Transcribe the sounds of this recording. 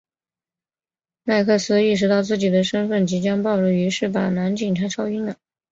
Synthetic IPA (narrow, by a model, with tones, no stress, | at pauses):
na˥˧ɪkʰɤ˥˩sɹ̩˥i˥˩ʂ̬ɻ̩˧˥t̪ɑ˥˧ʊt͡sɹ̩˥˩t͡ɕi˨˩d̪ə˦ʂə˥nfə˥˩nt͡ɕi˧˥t͡ɕjɑ˥ŋpɑ˥˧ʊʈ͡ʂə˥˩y˧˥ʂɻ̩˥˩pa˨˩na˧˥nt͡ɕi˨˩ŋt̪ʰa˥ʈ͡ʂʰɑ˥ʊi˥nd̪ə˨˩